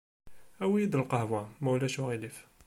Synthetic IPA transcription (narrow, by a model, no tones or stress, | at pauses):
ʔæwijid̪əlqɑhwæmæwlæʃuɣilif